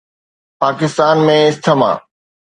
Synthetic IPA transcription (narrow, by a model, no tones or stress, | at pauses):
paːkɪst̪aːnmẽɪst̪ʰəmã̰ː